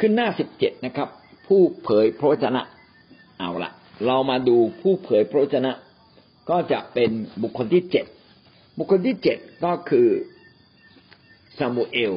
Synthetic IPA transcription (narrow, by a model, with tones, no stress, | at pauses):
kʰɯ˥˩nːaː˥˩si˨˩p̚t͡ɕe˨˩t̪̚na˦˥kʰɾa˦˥p̚ʰː | uː˥˩pʰɤː˩˦jpʰɾa˧˦wa˦˥t̪̚ʰːa˧na̰˦˥ʔ | ʔa̰˧˩wla̰˨˩ʔɾa˧wmaː˧duː˧pʰuː˥˩pʰɤː˩˦jpʰɾa˧˦wa˥t̪̚ːʰa˧na˦˥ʔ | kɔː˥˩t͡ɕa̰˨˩ʔpe˧nbu˨˩kʰːo˧nt̪ʰiː˥˩t͡ɕe˨˩t̪̚ | bu˨˩kʰːo˧nt̪ʰiː˥˩t͡ɕe˨˩t̪̚kɔː˥˩kʰɯː˧ | saː˧mu˧ʔeː˧w